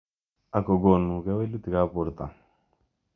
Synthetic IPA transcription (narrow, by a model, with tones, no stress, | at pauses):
a˨kɔ˨ɡo˨nːu˨kɛ˦we˦lu˦t̪i˨ka˦pu˨ɾt̪a̰˨